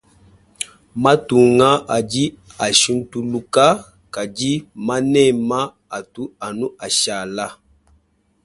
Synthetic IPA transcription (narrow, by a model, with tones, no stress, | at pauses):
ma˦tu˨ŋa˦a˨d͡ʒi˦a˨ʃi˦n˦tu˦lu˦ka˦ | ka˨d͡ʒi˦ma˦nɛ˦˨ma˦ | a˨tu˦a˨nu˦ʔa˨ʃa˨la˦